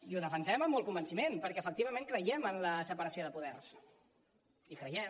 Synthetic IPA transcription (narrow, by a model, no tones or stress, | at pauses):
iuðəfənsɛməmːɔlˠkumbənsimenpəɾkɛːfək̚t̪iβ̞əmeŋkɾəjɛmənləsəpəɾəsioðəpuðɛrs | ikɾəjɛ